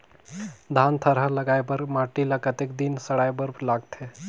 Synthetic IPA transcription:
d̪ʱant̪ʰəɾɦaləɡajbəɾmaʈiləkət̪ek̚d̪insəɽajbəɾlaɡt̪ʰe

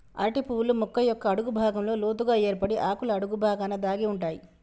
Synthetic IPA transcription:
ɐ̰ɾʈipuːlumukːɐjɔkːɐːɽuɡubʱaːɡɐmlo̞ːloːt̪̬uɡaːe̞ːɾpɐɽiʔaːkulɐːɽuɡubʱaːɡaːnɐd̪aːɡiuɳʈaːji

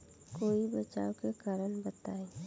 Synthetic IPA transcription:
koːibɐt͡ʃa̰ːokekaːɾənbɐt̪aːe

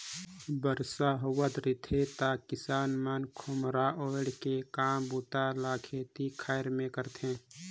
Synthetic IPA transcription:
bəɾsaɦʊwət̪ɾɪt̪ʰet̪akɪsaːnmankʰʊmɾaʔoːɪɽkekaːmbuːt̪alaːkʰeːt̪ikʰaːjɾmẽkəɾt̪ʰẽː

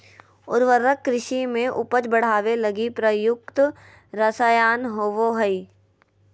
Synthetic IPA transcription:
ʊ̰ɾʋəɾəkːɾɪʃimẽʔʊpət͡ʃbəɽ̤aːʋelɐɡipɾəjʊk̚t̪ | ɾəsaːjaːnɦoːʋoɦəi

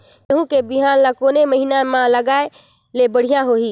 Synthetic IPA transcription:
ɦũkebiɦaːnlakoːneməɦinamãləɡaːe | lebəɽ̤ijãɦoːɦi

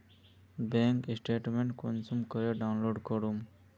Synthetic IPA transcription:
bɛŋkisʈeʈmeɳʈkonsumkɔɾeɖawnloɖkɔɾum

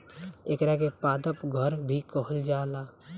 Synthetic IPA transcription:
eːkɾakepaːd̪əpɡʱəɾbʱikɔɦəld͡ʒaːlaː

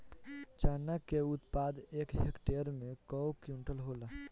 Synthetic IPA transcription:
t͡ʃanakeut̪pad̪ekɦekʈeəɾmẽkɔwkjũɳʈəlɦola

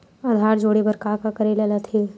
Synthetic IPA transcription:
aːd̪ʱaːɾd͡ʒoːɽebəɾkaːkakɐɾelelat̪ʰeː

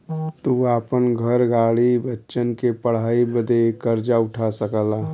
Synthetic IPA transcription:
t̪uaːpənɡʱəɾɡaːɽibətːʃənkepəɽ̤aːibəd̪ekəɾd͡ʒaʊʈʰasəkəla

